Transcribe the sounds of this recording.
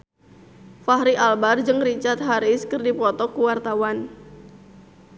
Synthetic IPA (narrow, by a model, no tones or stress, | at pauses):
faɦɾiʔalbard͡ʒɨŋrit͡ʃart̪̚ɦaɾɪskɨrdipɔt̪ɔkuwart̪awan